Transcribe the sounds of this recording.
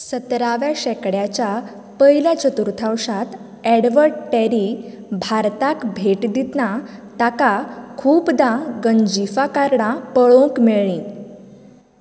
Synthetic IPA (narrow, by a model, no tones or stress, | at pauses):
sət̪ɾaʋjaɕɛkɽjat͡ɕja | pəiljat͡ɕət̪uɾt̪ʰawʂat̪ | pɛɽʋəɾʈɛɾi | bʱaɾt̪akbʱeʈd̪it̪nat̪akakʰuːpd̪ãɡəɲd͡ʑifakaɾɳãpəɭõkmeɭĩ